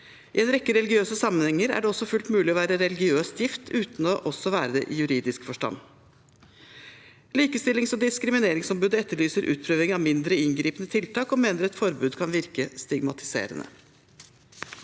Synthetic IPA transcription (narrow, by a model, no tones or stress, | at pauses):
ɪɛːnɾɛkːəɾɛlɪɡɪøːsəsɑmːənhɛŋːəɾæ̰ɖɛɔsːɔfʉlt̪mʉːlɪɔʋæːɾəɾɛlɪɡɪøːst̪jɪft̪ʰʉːt̪n̩ɔʔɔsɔʋæːɾəd̪ɛ̰ʔijʉɾiːd̪ɪskfɔʂʈɑ̰nː | liːkəst̪ɪlɪŋsɔd̪ɪskɾɪmɪneːɾɪŋsɔmbʉːd̪əɛt̪ːəɭyːsəɾʔʉ̰ːt̪̚pʰɾøːʋɪŋɑʋmɪnd̪ɾəɪŋɡɾiːpənət̪ʰɪlt̪ɑːkɔmeːnəɾɛt̪fɔɾbʉːd̪kʰɑnʋɪɾkəst̪ɪɡmɑt̪ɪ̥sḛːɾə̰nʔə̰